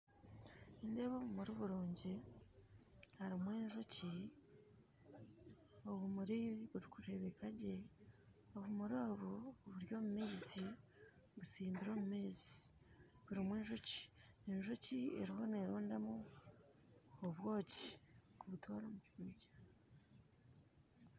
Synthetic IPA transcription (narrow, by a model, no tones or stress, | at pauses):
indeβoːβumuɾiβuɾoːɲɟe | haɾimweːnʒoci | oβumuɾiβuɾikuɾe̞βe̞kʰaɟe̞ | oβumuɾoːβuββuɾjo̞ːmumiːzi | βusiːmbiɾo̞ːmumiːzi̥ | βuɾimweːnʒoci̥enʒo̞ciḛɾihoneːɾoːndamu | oβwo̞ːci̥kuβutʰoːɾomuciɾuːɟḁ